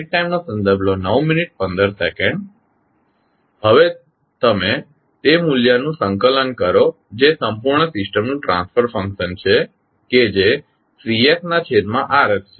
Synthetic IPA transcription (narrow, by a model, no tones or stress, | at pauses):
ʈ̚ʈajmnosə̃nd̪əɾbʱlonəʋminiʈ̚pə̃nd̪əɾsekə̃ɳɖ | ɦəʋe | t̪əme | t̪emuljanũsə̃ŋkələnkəɾo | d͡ʒesəmpuɾɳəsɪsʈəmnũʈɾã̰nsfʰəɾfə̃ŋkʃənt͡ʃʰe | ked͡ʒe | siesnat͡ʃʰeɾmãʔaɾəst͡ʃʰe